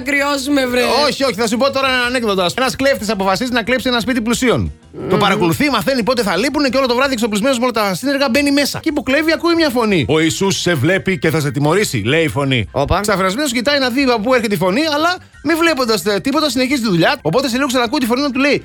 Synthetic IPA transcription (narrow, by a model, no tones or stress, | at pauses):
ɐkɾiozumevɾeoçio̞çiθɐsupo̞t̪o̞ɾɐɐnekneðod̪oɐsenɐskleft̪isɐpo̞fɐsizinɐklepsienɐspit̪̬iplusio̞n | t̪o̞pɐɾɐko̞luθimɐθe̞nipo̞t̪eθɐlipuneceo̞lo̞t̪o̞vɐðieksoplizme̞no̞zmo̞lot̪ɐsineɾɣɐbe̞nime̞sɐ̰ceipokle̞viɐkuimɲɐfo̞nio̞isusːe̞vle̞pice̞θɐs̬et̪imo̞ɾisḭle̞iifo̞nḭopɐsɐfeɾɐzmenoscit̪ɐinɐðiɐpopue̞ɾçet̪eifo̞niɐlɐ | mivle̞po̞nd̪ɐst̪ipo̞t̪ɐsine̞çizit̪iðuʎɐo̞po̞t̪es̬eliɣoksɐnɐkut̪ifo̞ninɐt̪ule̞i